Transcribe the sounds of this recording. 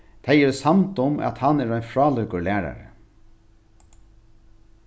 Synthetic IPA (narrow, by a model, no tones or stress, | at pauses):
t̪ʰɛjɛɾsamt̪ʊmæ̰t̪hanːɛːɾajnfɾɑːlʏkʊɹlæːɾa̰ɾə